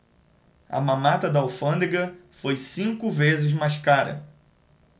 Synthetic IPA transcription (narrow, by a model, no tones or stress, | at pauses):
ɐ̰mɐ̃mat̪ɐd̪ɐawfɐ̃nd̪eɡɐfojsĩŋkʊvezɪzmajskaɾɐ̰